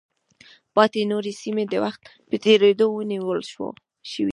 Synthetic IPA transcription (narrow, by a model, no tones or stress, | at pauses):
pɑt̪enoɾesimed̪əwaxt̪ | pət̪eɾed̪owəniwəlʃwo̰ | ʃəwḭ